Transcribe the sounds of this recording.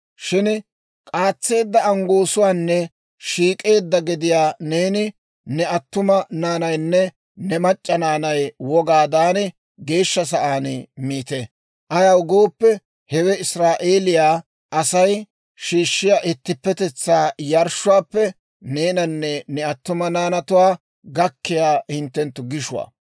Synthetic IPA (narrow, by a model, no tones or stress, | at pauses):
ʃɪn | kʼaːt͡sːe̞ːd̪ːɐɐŋɡoːsʊwaːnːɛ | ʃiːkʼe̞ːd̪ːɐɡɪd̪ɪjaːne̞ːnɪ | nɛɐt̪ːʊmɐnaːnɐjnːɛ | nɛmɐt͡ʃʼːɐnaːnɐjwɔɡaːd̪aːnɪ | ɡe̞ːʃːɐs̬ɐʔaːnmiːt̪e | ʔɐjɐwɡo̞ːpːɛ | hɛwɛɪsɾaːʔe̞ːlɪjaː | ʔɐsɐj | ʃiːʃːɪjaːʔɪt̪ːɪpːɛt̪ɛt͡sːaːjɐɾʃʊwaːpːɛ | ne̞ːnɐnːɛnɛɐt̪ːʊmɐnaːnɐt̪ʊwaː | ɡɐkːɪjaːhɪnt̪ːɛnt̪ːʊɡɪʃʊwa̰ː